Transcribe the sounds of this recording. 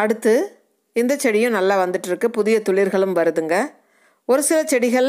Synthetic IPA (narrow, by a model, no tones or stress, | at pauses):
ɐɽɯt̪ːɯ | ɪnd̪ɐt͡ʃːɛɽɪjʊ̃nɐlːaːʋɐnd̪ɯʈːɪɾɯkːɯpʊðɪjɐt̪ʊɭɪɾɣɐɭɯmʋɐɾɯðɯŋɡɐ | ɔɾɯsɪlɐt͡ʃɛɽɪɣɐɭ